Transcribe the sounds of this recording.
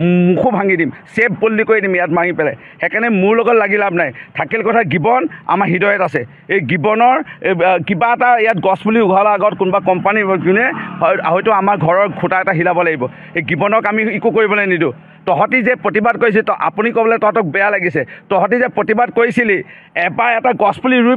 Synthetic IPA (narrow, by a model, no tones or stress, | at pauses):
mukʰubʱãŋɡidimsebbolːikoɹidimijatmaŋipɛlaj | xɛkanɛmʊɹlɔɡɔtlaɡilabnajtʰakilkɔtʰaɡibɔna̰maɦidɔjɔtasɛ | ejɡibɔnɔɹkibaɛtaijat̚ɡɔsbuliʊɡʱalɔaɡɔtkunbakɔmpanizunɛɔaɦɔjtʊamaɹɡʱɔɹɔɹkʰʊtaɛtaɦilabɔlaɡibɔ | eɡibɔnɔkamiikukoɹibɔlɔjnidʊ | tɔɦɔtizɛpɹotibad̚kojs̬iltɔa̰punikɔbɔlɛtɔɦɔtɔk̚bɛjalaɡisɛtɔɦɔtizɛpɹotibad̚kojsili | ɛbaɹɛtaɡɔspuliɹu